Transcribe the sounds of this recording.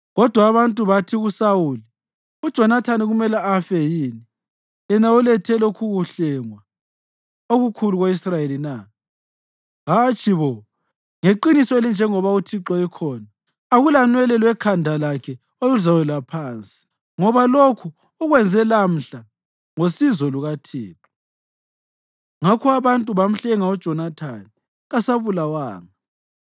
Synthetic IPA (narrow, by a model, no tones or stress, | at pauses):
ɣɔd̥ʱwaːβantʼuβatʰiɣusawuːli | ud̥ʒ̥ʱɔnatʰaniɣumɛlaafɛjiːni | jɛnaulɛtʰɛlokʰuɣuɬɛŋwa | oɣukʰuluɣoisrajelina | ɦat͡ʃʼiβɔ | ŋeǃinisɔelind͡ʒʱɛŋɔβautʰiǃɔɛkʰɔːnaː | ɣulanwɛlɛlwɛkʰandʱalakʰɛ | oluzawɛlapʰaːnt͡sʼi̥ | ŋɔβalokʰu | ɔɣwɛnd͡zʱɛlam̩ɬa | ŋosizɔluɣatʰiːǁɔ̥ | ŋakʰɔaβantʼuβam̩ɬɛŋaɔ̥ʒ̥ʱɔnatʰani | ɣasaβulawaːŋa